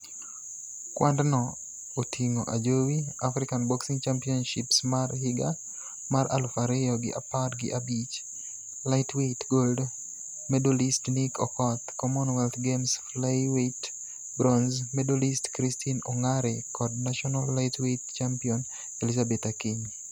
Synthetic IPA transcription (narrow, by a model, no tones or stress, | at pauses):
kwʔandnɔ | otʰiŋoʔad͡ʒowiafɾikanbɔksiŋt͡ʃampiɔnʃɪpsmarhɪɡa | maɾa̰lfaɾɛjɔɡɪ̰ʔa̰patɡɪ̰ʔabit͡ʃ | laɪtʰwetɡold | medolistnikʰɔkɔt̪kɔmɔnwɛlt̪ɡemsflajwet | bɾɔnzmɛdolistkɾistʰinɔŋaɾɛkʰɔdnaʃɔnalːaɪtwett͡ʃampiɔn | elizabetakiɲ